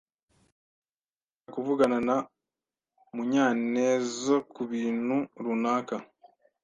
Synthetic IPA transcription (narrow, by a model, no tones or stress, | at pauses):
akuvuɡanana | muɲaːneːzokuβiːnhuɾunaːka